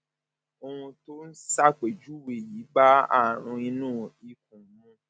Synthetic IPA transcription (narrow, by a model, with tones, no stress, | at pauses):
o˧hũ˧to˦n̩˦sa˦˨k͡pe˨d͡ʒu˦we˨ji˨˦ba˦a̰˦˨ɾ̃ũ˧ĩ˧nũː˦i˧k̚ũ˨˦ũ˦